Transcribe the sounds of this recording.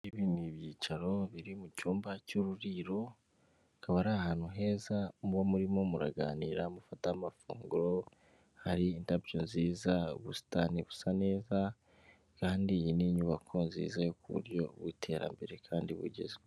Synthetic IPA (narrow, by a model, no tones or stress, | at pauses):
iβiniβjiːt͡ʃaɾo̞βiɾimucuːmbacuɾuɾiɾo̞ | kaβaɾahaːnhuɦe̞ːzamuβomuɾimo̞muɾa̰ɡa̰ːniːɾamufatamafṵːŋɡuɾo̞ | haɾiːntapjonziːzaβusi̥taniβusane̞ːza | kaːndijiniɲuβakʰo̞nzḭːzajokuβṵɾjo̞βwitʰe̞ɾa̰mbe̞ɾe̞kʰaːndiβṵɟḛzwe